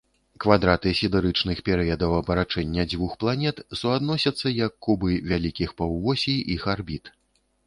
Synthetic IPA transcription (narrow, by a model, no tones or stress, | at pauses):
kvad̪ɾat̪ɨsʲid̪ɛɾɨt͡ʂnɨxpʲɛɾɨjɐd̪ɐwɐbɐɾat͡ʂɛnʲːɐd͡zʲvuxplˠanʲɛt̪suad̪nɔsʲɐt̪sːɐjɐkːubɨvʲalʲikʲixpɐwvɔsʲijixarbʲit̪